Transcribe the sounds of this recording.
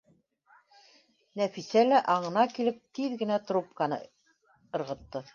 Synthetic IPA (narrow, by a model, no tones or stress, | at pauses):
næfisælæʔɑɴɤ̆nɑkilɘp̚t̪iðɡɘ̆næt̪ɾup̚kɑnɤ̰ | ɤ̆ɾʁɤ̆t̪ːɤ